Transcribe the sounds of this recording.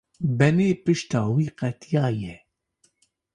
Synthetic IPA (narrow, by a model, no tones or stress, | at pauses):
bɛneːpɨʃt̪ɑːwiːqɛt̪ʰjɑːjɛ